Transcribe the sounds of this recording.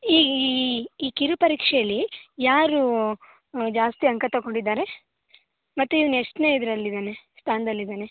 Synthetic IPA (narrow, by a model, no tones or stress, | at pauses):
iːɡː | kiɾupɐɾiːkʂɛjɐlːijaːɾu | d͡ʒaːst̪iɐŋkɐt̪ːɐkoɳɖid̪ːaːɾe̞ | mɐt̪ːuiʋɐnueʂʈne̞ːid̪ɐɾɐlːid̪aːne̞st̪ʰaːnɐd̪ɐlːid̪aːne̞